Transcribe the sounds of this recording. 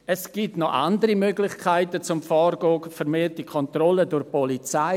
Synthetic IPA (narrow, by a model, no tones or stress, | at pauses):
ɛsɡ̥iːtnɔʔa̰ndəɾimøɡlɪχkʰaɪtət͡sʊmfɔːrɡoːkfɛɾmeːtikʰɔntrɔlədʊɾpɔlit͡saɪ